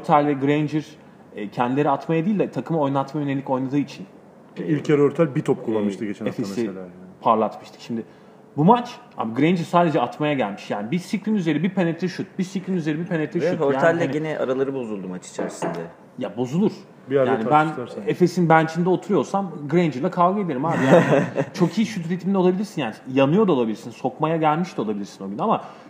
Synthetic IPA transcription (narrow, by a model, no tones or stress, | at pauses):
oɾt̪ʰælʲːɛɡɾejnd͡ʒɯɾ | ɛːcʰɛnd̪ilʲe̞ɾiat̪majad̪ijːlʲd̪ɛt̪ʰakʰɯmao̞jnˠat̪majønelʲicko̞jnˠad̪ɯːit͡ʃʰin | ilʲcaɾøɾt̪ʰælʲbit̪ʰɔp̚kʰulˠːanmɯʃt̪ɯɡet͡ʃʰenefesiapʰaɾlˠat̪mɯʃt̪ʰɯ̥kʃimd̪ɪ | bumat͡ʃha̰biɡɾejnd͡ʒɯɾsaːd̪e̞d͡ʒɛat̪majaɟælʲmiʃjaːnibisiclʲinyze̞ɾibipʰenet̪ʰɛʃut̪̚bisiklʲinyze̞ɾibipʰenet̪ʰɛʃuthoɾjat̪ːalʲːɛiɟenɛʔa̰ɾalˠaɾɯbo̞zulˠd̪umat͡ʃi̥t͡ʃʰɛ̰ɾsind̪a | jabo̞zulˠuɾ̥ | bijaːnibænefe̞sinbænt͡ʃʰind̪ɛot̪ʰuɾujo̞ɾsamɡɾejnd͡ʒɯɾlˠakʰavɡɯe̞d̪eɾimhaːbijat͡ʃʰo̞kʰijiʃyt̪ɾit̪ʰimind̪ɛo̞lˠabilʲiɾsinjaːnijanɯjo̞ɾd̪aolˠabilʲiɾsinso̞kmajaɟælʲmiʃt̪io̞lˠabilʲiɾsino̞ɟynama